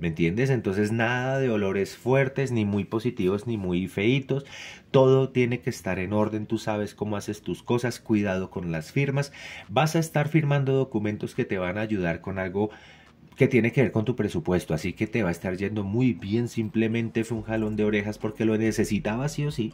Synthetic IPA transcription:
me̞nt̪je̞nd̪e̞s̬e̞nt̪o̞ns̬e̞znaðaðe̞o̞lo̞ɾe̞sfwe̞ɾt̪e̞snimujpo̞sit̪iβo̞znimujfe̞it̪o̞st̪o̞ðo̞t̪je̞ne̞ke̞ːst̪aɾe̞no̞ɾðe̞nt̪usaβ̞e̞sko̞moase̞st̪usko̞saskwiðað̞o̞ko̞nlasfiɾmasbasaest̪aɾfiɾmãnd̪o̞ð̞o̞kumẽ̞nt̪o̞ske̞t̪e̞β̞anaːʝuð̞aɾko̞nalɡo̞ | ke̞t̪je̞ne̞ke̞βe̞ɾko̞nt̪upɾe̞supwe̞st̪oasike̞t̪e̞βaest̪aɾd͡ʒe̞nd̪o̞mujbje̞nsimple̞mẽ̞nt̪e̞fuŋxalo̞nd̪eo̞ɾe̞xaspo̞ɾke̞lo̞ne̞se̞sit̪aβasio̞si

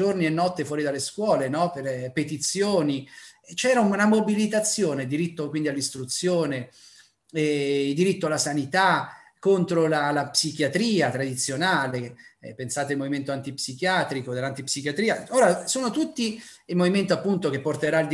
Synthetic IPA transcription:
ornienːɔt̪ːefwɔːɾid̪alːeskwɔːlenɔperpet̪it̪sːjoːnit͡ʃɛːɾaunamobilit̪at̪sːjoːneld̪iɾit̪ːokwind̪ialːist̪ɾut̪sːjoːne | ɛild̪iɾit̪ːoalːasanit̪akont̪ɾolalapsik̟jat̪ɾiːat̪ɾad̪it̪sːjonaːlepːensaːt̪eilmoviment̪oant̪ipsik̟jaːt̪ɾikod̪elːant̪ipsikjat̪ɾiːaoːɾasoːnot̪ut̪ːi | ilmoviment̪oapːunt̪ok̟epːort̪eɾaild̪

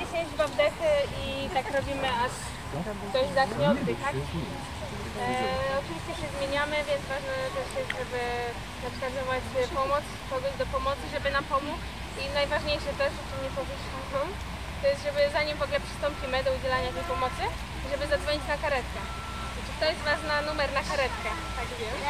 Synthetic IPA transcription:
eɕɛd͡ʑbavd̪ɛxɨit̪akɾɔbʲimɘaʂ | d̪ɔzzaɕɲʲɔnt̪ɨt̪ak | ɔtɨvʲiɕt͡ɕɛɕɛzmʲjeɲamɘvʲjɛnzvaʐnɛt̪ɛʂjɛst̪ʐɛbɘ | napkad̪ɔvwad͡ʑvɛpɔmɔt̪skɔɡɔʑd̪ɔpɔmɔt̪sɘʐɛbɘnampɔmuk | inajvaʐɲejʂɛt̪ɛʐʐɛt͡ʂɨmɲɛpɔvʲɛɕlajɔm | t̪ɔjɛst̪ʐɛbɘzaɲimvɔɡlɛpʂɘ̥st̪ɔmpʲimɘd̪ɔud͡ʑɛlaɲat̪ɛjpɔmɔt̪sɘ | ʐɛbɘzad̪zvɔɲit͡ɕnakaɾɛt̪kɛ | at͡ʂɨt̪ɔjɛst̪vaʐnanumɛɾnakaɾɛt̪kɛt̪aɡvʲjɛm

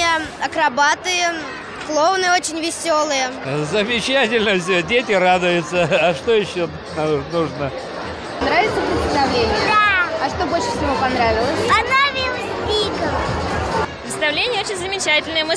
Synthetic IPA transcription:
əɐkɾabat̪ɨjə | xlˠovnɨjot͡ɕɪnʲvʲɪsʲolˠɨjəzəmʲɪt͡ɕæt̬ʲɪlʲnəfs̬ʲodʲet̬ʲɪrad̪ʊjʊt̪səɐʂt̪ojɪɕːo | nnuʐnə | nɾavʲɪt̪səpɾʲɪt̪sʲɪst̪ənɐavlʲenʲɪjəd̪aɐʂt̪obolʲʂɨ̥fsʲɪvopɐnɾavʲɪlˠəsʲpɐnavʲilˠəsʲtʲit̪ə | pɾʲɪt̪st̪avlʲenʲɪjəot͡ɕɪnʲzəmʲɪt͡ɕætʲɪlʲnɨjəmɨ

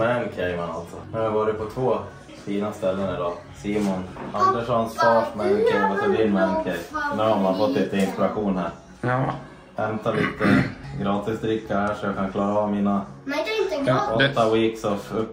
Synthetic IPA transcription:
mɛnkʰɛjmana̰lt̪sɔnɵhajavɑːɾɪt̪pʰɔt̪ʰvoː | fiːnast̪ɛlːənɪd̪ɑː | siːmɔnand̪əʂɔnsfɑːʂmɛnkʰɛjasɛb̪ɪnmɛnkʰɛjnɛhamanfɔt̪ːliːt̪əɪnspɛɾaɧuːnhæːɾ | hɛmt̪aliːt̪əɡɾɑːt̪ɪsd̪ɾɪkːahæːʂɔjɑːkʰankʰlɑːɾaɑːvmiːna | ɔt̪ːawiːksɔfɵpː

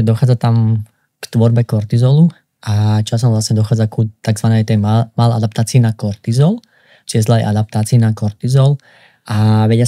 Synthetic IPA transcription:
d̪ɔxaːd͡zat̪am | kt̪ʋɔɾbɛkɔɾt̪izɔlu | ʔat͡ʃas̬ɔmʋlasɲɛd̪ɔxaːd͡zakut̪aɡzʋanɛːt̪ɛmaːlɛa̰d̪ap̚t̪aːt͡siinakɔɾt̪izɔl | t͡ʃiɛzlaɛjʔa̰d̪ap̚t̪aːt͡siːnakɔɾt̪izɔl | ʔaʋɛɟa

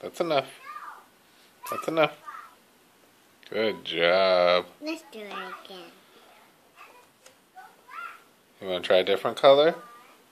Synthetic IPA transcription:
ðætsənʌf | ðætsɨnʌf | ɡ̥ʊd̚d͡ʒɑb̥ɛsd̥əĩk | jɨwʌ̃ntʰɹ̥aɪɨdɪfɹə̃nkʰʌlˠə˞

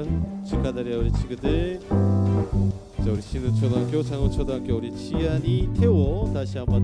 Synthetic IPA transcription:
ŋt͡ɕʰikʰadaɾiaɯɾit͡ɕʰiɡɯde | t͡ɕauɾiɕʰinɯt͡ɕʰʌdakjot͡ɕaŋɯt͡ɕʰʌdaaŋkjoɾit͡ɕʰianitʰewʌtaɕʰiamba

